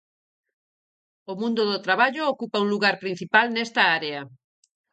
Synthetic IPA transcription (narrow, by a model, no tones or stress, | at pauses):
omũnd̪ʊðot̪ɾaβaʎʊokupɐũŋluɣaɾpɾin̟θipalnɛst̪ɐaɾeɐ